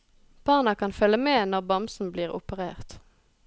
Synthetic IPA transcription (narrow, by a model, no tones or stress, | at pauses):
b̥ɑːnɑkʰɑnfœləmeːnɔʁbɑmsn̩bliːʁʊ̰pəʁḛːʁt̪